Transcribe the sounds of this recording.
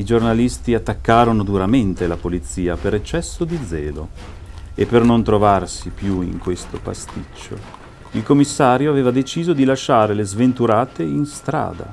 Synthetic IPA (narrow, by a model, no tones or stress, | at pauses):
id͡ʒornalist̪iat̪ːakːaːɾonod̪uɾament̪elapolit̪siːapeɾet͡ʃːɛsːod̪id̪zɛːlo̰ | epːernont̪ɾovarsipjuḭŋkwest̪opa̰st̪it͡ʃːo̰ | ilkomːisːaːɾjoaveːvad̪et͡ʃiːzod̪ilaʃːaːɾelezvent̪uɾaːt̪einst̪ɾa̰ːd̪a̰